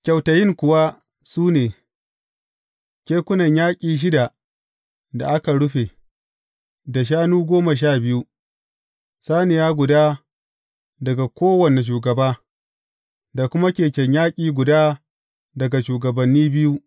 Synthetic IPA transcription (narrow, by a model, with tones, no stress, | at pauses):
kʲa˨wtɐ˨jɪ˦ŋkʷʊ˨wa˦ | suː˦neː˨ | kʲeː˦kʷʊ˦nɐ˨ɲjaː˦kʲʼiː˨ʃ̬ɪ˦da˨ | da̰˨ʔa˦ka˨ɽʊ˦ɸe˨ | da˨ʃ̬aː˦nuː˦ɡʷoː˦ma˨ʃ̬aː˦˨bɪ˦ju˦ | saː˦nɪ˨jaː˦ɡʷʊ˨daː˦ | dɐ˨ɡa˨kʷoː˦wɐ˨ne˨ʃ̬uː˨ɡɐ˨baː˦ | da˨kʷʊ˦ma˦kʲeː˨kʲɛ˨ɲjaː˦kʲʼiː˨ɡʷʊ˨daː˦ | dɐ˨ɡa˨ʃuː˨ɡɐ˨bɐ˨nːiː˦bɪ˦ju˦